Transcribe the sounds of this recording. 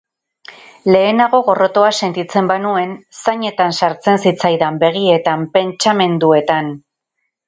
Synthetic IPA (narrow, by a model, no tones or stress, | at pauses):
le̞ːnaɣo̞ɣo̞ro̞t̪o̞ase̞nt̪it͡se̞mbanue̞nsaɲe̞t̪ansaɾt͡se̞nsit͡sajðambe̞ɣie̞t̪ampe̞nt͡ʃame̞nd̪ue̞t̪an